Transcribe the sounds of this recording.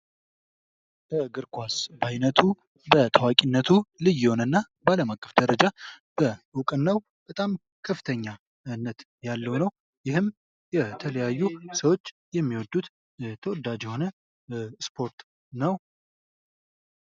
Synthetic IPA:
bʰəɡɨɾkʰʷasbajnət̪ʰu | bət̪ʰəwakʼinːət̪ʰulɨjːɪho̞nənːa | baləmakʼːəfd̪əɾəd͡ʒab̥əʊkʼɨnːəw | b̥ət̪ʼam | kʰəfːɨt̪ʰəɲːa | ɨnːət̪ | jalːəwnəw | jɪhɨm | jɛt̪ʰələjajːusəwo̞t͡ʃː | jɛmːiwɔd̪ːut̪ | t̪ʰəwɔd̪ad͡ʒɛho̞nə | spʰo̞ɾt̪ | nəw

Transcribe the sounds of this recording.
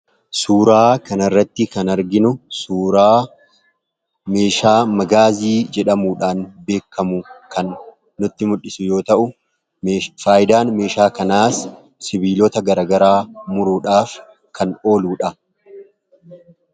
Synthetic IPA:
suːɾaːkɐnɐrːɐt̪ːɪkɐnɐɾɡɪnʊsuːɾaː | me̞ːʃaːmɐɡaːziːd͡ʒɛᶑɐmuːᶑaːnbe̞ːkʰːɐmʊkɐnː | ʊt̪ːɪmʊᶑːɪsʊjo̞ːt̪ɐʔʊ | faːjɪd̪aːnme̞ːʃaːkɐnaːs | sɪbiːlot̪ɐɡɐɾɐɡɐɾaːmʊɾʊᶑaːf | kʰɐno̞ːluːᶑɐ

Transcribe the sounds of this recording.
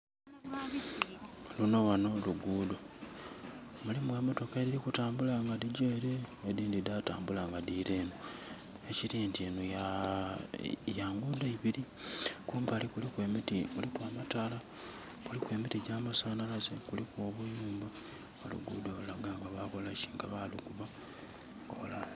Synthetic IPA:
lunowano̞luɡuːdo | mulimwamoto̞kaeɾiɾikutaːmbulaŋɡadiɟeːɾeediːndidata̰ːmbulaŋɡadiɾe̞ːno | eciɾiːntienuja | jaːŋɡudaiβiɾi | kuːmbaːlikulikwe̞mitimulikwaːmatala | kulikwe̞ːmitiɟaːmasaːnalazekulikwoːβujuːmba | olṵɡṵːdo̞laɡaːŋɡaβako̞laʃi̥ŋɡa̰βalikuβa | ko̰la

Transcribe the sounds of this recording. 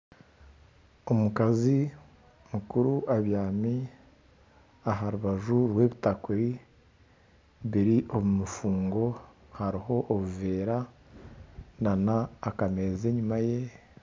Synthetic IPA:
omukazi | mukuɾuʔaβjaːmi | aɦaɾuβaʒuɾwe̞βitakuɾi | βiɾiʔo̞βumufuːŋɡo̞ | haɾiɦo̞ʔːβuveːɾa | nanaːkame̞ze̞ɲumaje̞

